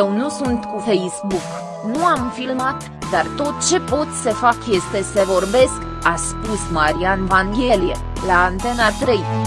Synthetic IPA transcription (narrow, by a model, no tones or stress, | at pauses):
ewnusunt̪kufejsbuk | nuamfilmat̪ | d̪art̪o̞t̪̚t͡ʃe̞po̞t̪sʲsəfakje̞st̪e̞səvo̞rbe̞sk | aspusmaɾianvaŋɡʲelije | laːnt̪e̞nat̪ɾej